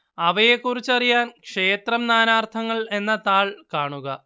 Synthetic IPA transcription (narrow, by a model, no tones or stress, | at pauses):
ɐʋɐje̞kːurit͡ɕːɐrijaːnkʂe̞ːt̪rɐmnaːnaːrt̪ʰɐŋːɐɭe̞nːɐt̪aːɭkaːɳuɣɐ